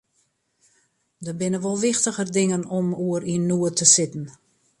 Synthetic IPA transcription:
dəbɪnəʋolˠʋɪxtəɣərdɪŋənɔmuəɾiənːuətʰəsɪtn̩

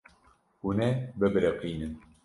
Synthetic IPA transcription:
hunɛbɨbɨɾɛqiːnɨn

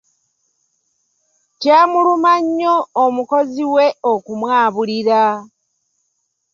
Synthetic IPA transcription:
cjaːmulumaɲːo̞ːmuko̞ziwe̞okumwaːβuliɾa

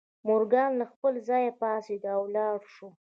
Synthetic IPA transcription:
mʊɾɡɑnlaxpəlzɑjapɑsed̪awlɑɽʃu

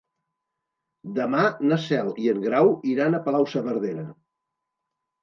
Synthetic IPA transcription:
d̪əmanəsɛlˠiəŋɡɾawiɾanəpəlawsəβəɾðeɾə

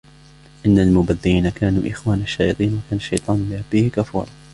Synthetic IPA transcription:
ʔɪnːalmʊbaðːɪjiːnakaːnṵːʔɪxwaːnaʃːaːjɑt̪ˤiːnwakaːnaʃːɑjt̪ˤɑːnbɪʔabːihɪkafṵːɾˤɑ

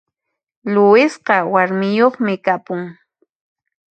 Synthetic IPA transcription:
lʊɪsqɑwaɾmɪjoχmɪkapʊŋ

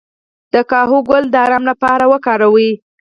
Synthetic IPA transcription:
d̪̥əkɑɦoɡʊld̪əaɾamlapɑɾawəkɑɾawi

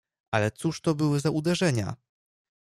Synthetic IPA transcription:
alɛt̪suʂt̪ɔbɘwɘzaʔud̪ɛʐɛɲa̰

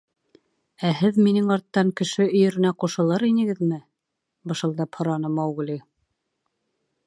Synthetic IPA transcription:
æɦɘðminɘŋɑɾt̪ːɑŋkɘ̆ʃɘɵ̆jɘ̆ɾɘ̆næquʃɤ̆lˠɤɾinɘ̆ɡɘ̆ðmɘ | bɤ̆ʃɤ̆lˠd̪ɑphŏɾɑnɤmɑwɡlʲi

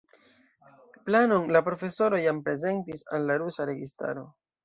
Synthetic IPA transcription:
planonlapɾo̞fe̞so̞ɾo̞jampɾe̞ze̞ntisalːaɾusaɾe̞ɡista̰ɾo̞̰

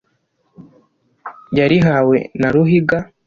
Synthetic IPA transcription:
ɟaɾiɦawḛnaɾuɦiɡa

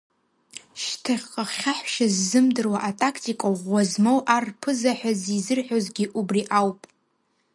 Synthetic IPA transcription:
ʃtʰaχʲqʼaχʲaħʃazːɨmdɨrwaʔatʼakʰtʰʼikʼaʁʷazmowʔarpʰɨzaħʷᶣazizɨrħʷᶣozɡʲiʔubriʔawpʼ

